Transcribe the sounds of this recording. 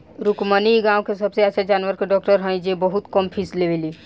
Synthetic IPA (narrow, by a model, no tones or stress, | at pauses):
ɾukməniɡãwkesəbseət͡ʃʰad͡ʒaːnʋəɾkeɖɔk̚ʈəɾɦə̃j̃d͡ʒebəɦut̪kəmpʰisleʋeli